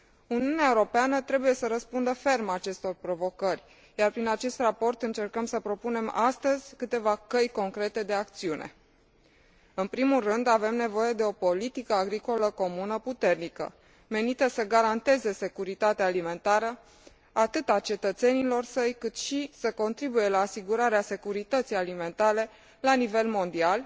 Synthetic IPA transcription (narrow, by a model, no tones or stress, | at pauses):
uniuneaeuɾo̞peanət̪ɾe̞buje̞səɾəspund̪əfe̞rmat͡ʃe̞st̪o̞rpɾo̞vo̞kərʲ | jarpɾinat͡ʃe̞st̪rapo̞rt̪ɨnt͡ʃe̞rkəmsəpɾo̞pune̞mast̪əzʲkɨt̪e̞vakəjko̞ŋkɾe̞t̪e̞d̪e̞ak̚t̪siunʔḛ | ɨnpɾimulrɨnd̪ave̞mne̞vo̞je̞d̪e̞o̞po̞lit̪ikəaɡɾiko̞ləko̞munəput̪e̞rnikə̰ | me̞nit̪əsəɡaɾant̪e̞ze̞se̞kuɾit̪at̪eaːlime̞nt̪aɾə | at̪ɨt̪at͡ʃe̞t̪ət̪se̞nilo̞rsəjkɨt̪ʃisəko̞nt̪ɾibuje̞laːsiɡuɾaɾease̞kuɾit̪ət̪sijalime̞nt̪aɾe̞ | lanive̞lmo̞nd̪ial